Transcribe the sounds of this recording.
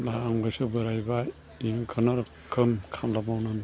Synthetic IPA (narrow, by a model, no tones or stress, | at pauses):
naːŋbɯsɯbɯɾajba | iŋkʰɯnaɾ | kʰɯmkʰamlamawnɯn